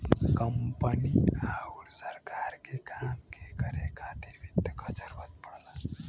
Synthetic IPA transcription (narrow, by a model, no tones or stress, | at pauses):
kəmpəniauɾsəɾkaɾkekamkekəɾekʰat̪iɾbʱit̪ːkʌd͡ʒəɾbət̪̚pəɽla